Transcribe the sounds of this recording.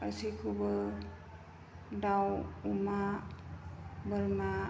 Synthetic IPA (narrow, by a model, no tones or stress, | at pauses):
ə̰sikʰubə | dawuma | bəlma